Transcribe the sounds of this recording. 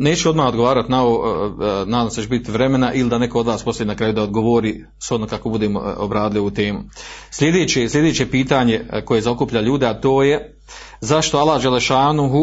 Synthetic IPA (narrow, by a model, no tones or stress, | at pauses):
ne̞ːt͡ʃeo̞d̪maːod̪ɡo̞ʋaːɾat̪nao | nad̪aset͡ʃbit̪iʋɾe̞menaʔilid̪ane̞ko̞od̪ʋaːspo̞st̪ajinakɾaːjud̪aod̪̚ɡoʋoɾi | sod̪okakobud̪eːmoobɾaːd̪ɪliut̪e̞ːmuslʲe̞d̪eːt͡ɕeslʲʎʲe̞d̪e̞ːt͡ɕe̞piːt̪aɲe̞ko̞je̞zao̞kupʎaʎuːd̪eat̪o̞ːje̞ | zaʃt̪o̞alˠad͡ʒeleʃaːnuɦu